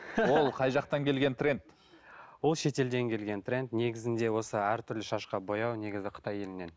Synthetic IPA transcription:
wo̞lˠqʰɑjʒɑq̚t̪ɑŋkʲʰe̞lɡʲe̞nt̪re̞nt̪ | wo̞lˠʃe̞t̪e̞ld̪e̞ŋkʲʰe̞lɡʲe̞nt̪re̞nt̪ne̞ɡʲɪzɪnd̪e̞wo̞səæɾt̪ʰʏɾlɪʃɑʃqɑbo̞jɑwne̞ɡʲɪzɪqʰə̥t̪ɑje̞lɪne̞n

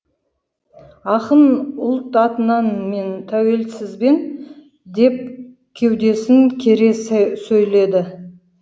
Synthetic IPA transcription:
ɑqənʊlˠt̪ɑt̪ənɑnme̞nt̪ʰæwe̞lsɪzbe̞n | d̪e̞p̚ | kʲʰe̞wd̪e̞sɪŋkʲʰe̞ɾe̞ssɵjle̞d̪ɪ

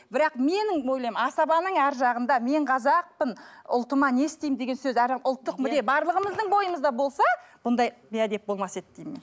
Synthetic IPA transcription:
bɪɾɑqme̞nɪŋo̞jlˠɑjmnɑsɑbɑnəɴæɾʒɑʁənd̪ɑme̞ɴqʰɑzɑq̚pənʊ̰lˠt̪əmɑne̞st̪ejmd̪e̞ɡʲensɵzæɾʊlˠt̪ːəqmʏd̪e̞bɑɾlˠəʁəməzd̪əɴbo̞jəməzd̪ɑbo̞lˠsɑb̥ʊnd̪ɑjbiad̪e̞p̚bo̞lˠmɑset̪d̪ejmen

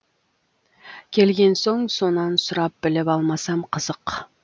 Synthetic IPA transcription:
kʲʰe̞lɡʲe̞nso̞ɴso̞nɑnsʊɾɑp̚bɪlɪpɑlˠmɑsɑmqʰəzəq

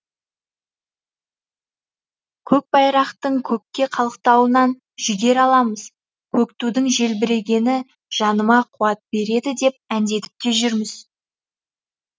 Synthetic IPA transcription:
kʲʰɵk̚bɑjɾɑqt̪əɴkʲʰɵkʲːe̞qʰɑlˠəqt̪ɑwənɑn | ʒʏɡʲe̞ɾɑlˠɑməz̥ | kʲʰɵkt̪ud̪ɪŋʒe̞lbɪɾe̞ɡʲe̞nɪ | ʒ̥ɑnəmɑqʰuɑt̪̚be̞ɾe̞d̪ɪd̪e̞p̚ænd̪e̞t̪ɪ̥p̚t̪e̞ʒʏɾmɪz̥

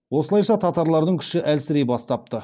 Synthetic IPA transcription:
wo̞səlˠɑjʃɑt̪ʰɑt̪ɑɾlˠɑɾd̪əŋkʲʰʏ̥ʃɪʔælsɪɾejbɑst̪ɑp̚t̪ə

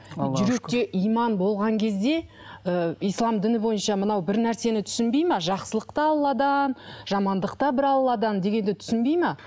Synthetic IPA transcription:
ʒʏɾe̞k̚t̪e̞ʔijmɑnbo̞lˠʁɑŋkʲʰe̞zd̪e̞ | əijslˠɑmd̪ɪnɪbo̞jənʃɑmənɑwbɪɾnæɾse̞nɪt̪ʰʏ̥sɪnbe̞jmɑʒɑqsəlˠəqt̪ɑːlˠlˠɑd̪ɑnʒ̥ɑmɑnd̪əqt̪ɑbɪɾɑlˠlˠɑd̪ɑnd̪e̞ɡʲe̞nd̪ɪt̪ʰʏ̥sɪnbe̞jmɑ

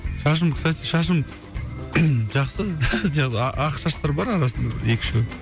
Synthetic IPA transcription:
ʃɑʃ̬əmkʲʰɪ̥sat̪iʃɑʃ̬əm | ʒɑqsəd̪ejɑʁzəɑʔɑqʃɑʃt̪ɑɾbɑɾɑɾɑsənd̪ɑbɪ̰ɾjekʲɪ̥ʃe

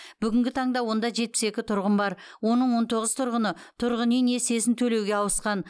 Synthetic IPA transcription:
b̥ʏɡʲɪŋɡʲɪt̪ʰɑɴd̪ɑwo̞nd̪ɑʒe̞t̪̚pɪ̥se̞kʲɪt̪ʰʊɾʁəmbɑɾwo̞nəɴwo̞nt̪ʰo̞ʁəz̥t̪ʰʊɾʁənət̪ʰʊɾʁənene̞se̞sɪnt̪ʰɵle̞wɡʲeɑwəsqɑn

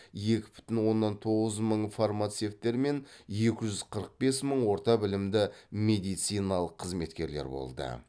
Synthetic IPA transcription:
je̞kʲɪ̥bʏ̥t̪ɪnwo̞nːɑnt̪ʰo̞ʁəzməɴfarmat̪se̞ft̪ːe̞ɾme̞nje̞kʲɪʒʏz̥qʰəɾəq̚be̞sməɴwo̞ɾt̪ɑbɪlɪmd̪ɪme̞d̪ijt̪sijnɑlˠəqʰːəzme̞t̪kʲe̞ɾleɾbo̞̰lˠd̪ə̰

